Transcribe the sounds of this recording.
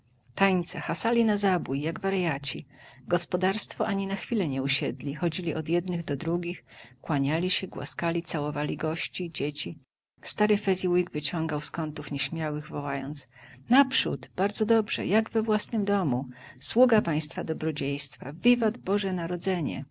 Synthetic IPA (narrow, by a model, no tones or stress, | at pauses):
t̪ajt̪sɛxasalʲinazabujːaɡvaɾjat͡ɕiɡɔspɔd̪aɾst̪fɔʔaɲinaxfʲilɛɲɛuɕɛd̪lʲixɔd͡ʑilʲiʔɔd̪jɛd̪nɘɣd̪ɔd̪ɾuɡʲixkwaɲalʲiɕɛɡwa̰skalʲit̪sawɔvalʲiɡɔɕt͡ɕid͡ʑet͡ɕi | st̪aɾɘfɛzʲiwiɡvɘt͡ɕɔŋɡawskɔnt̪ufɲɛɕmʲjawɘɣvɔwajɔ̰nt̪snapʂṵt̪b̥aɾd̪zɔd̪ɔbʐɛ̰jaɡvɛvwasnɘmd̪ɔmuswuɡapaj̃st̪fad̪ɔbɾɔd͡ʑejst̪fa̰vʲivad̪bɔʐɛnaɾɔd̪zɛɲɛ̰